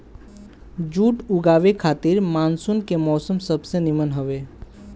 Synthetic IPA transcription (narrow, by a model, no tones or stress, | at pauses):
d͡ʒuːʈʊɡaːʋekʰaːt̪iɾmaːnsunkemɔːsəmsəbsenimənɦəʋe